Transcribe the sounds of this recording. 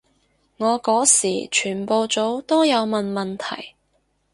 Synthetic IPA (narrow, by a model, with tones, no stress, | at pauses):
ŋɔː˨˧kɔː˨˥siː˨˩t͡ʃʰyː˨˩npo˨˧wt͡so˨˥wt̪o˥jɐ˨˧wmɐ˨nmɐ˨nt̪ʰɐ̰˨˩j